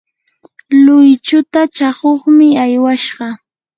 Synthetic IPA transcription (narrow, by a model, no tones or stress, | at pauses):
lʊjt͡ʃʊt̪at͡ʃaχoχmɪajwaʃɢɑ